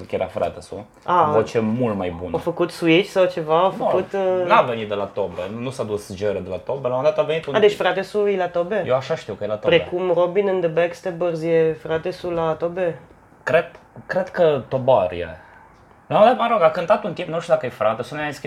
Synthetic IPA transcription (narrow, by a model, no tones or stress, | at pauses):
kjeɾa̰fɾa̰t̪esṵ | avot͡ʃemult̪majbṵnofəkut̪suit͡ʃʲsawt͡ʃe̞vaofəkut̪navenit̪̚d̪elat̪obɾḛnusad̪usd͡ʒeɾed̪elat̪obelawmond̪at̪avenit̪unad̪et͡ʃʲfɾat̪esujlat̪obejewaʃaʃt̪iwkəjelat̪opɾekumrobinɨnd̪əbɛkst̪ebərzjefɾat̪esulat̪obe | kɾed̪kɾed̪kət̪obaɾjḛ | lamond̪at̪əməɾoɡakɨnt̪at̪unt̪impnuʃt̪ud̪akəjefɾat̪esuneask